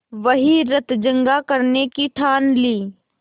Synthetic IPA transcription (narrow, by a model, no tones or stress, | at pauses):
ʋɐɦiɾɐt̪d͡ʒə̃ŋɡakɐɾnekiʈʰaːnliː